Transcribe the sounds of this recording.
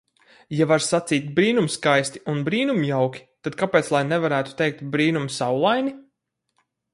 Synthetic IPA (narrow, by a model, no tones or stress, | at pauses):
javaɾsat̪siːt̪̚ʲbɾiːnumskajsʲt̪i̥unbɾiːnumjawkʲi̥t̪ad̪̚kapeːt̪slˠajnɛvaɾæːt̪u̥t̪ɛjk̚t̪bɾiːnumsawlˠajni